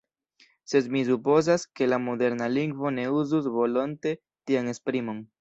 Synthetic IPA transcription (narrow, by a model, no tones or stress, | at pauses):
se̞dmis̬upo̞zaske̞lamo̞de̞ɾnaliŋɡvo̞ne̞uzusvo̞lo̞nte̞ | tiane̞spɾimo̞n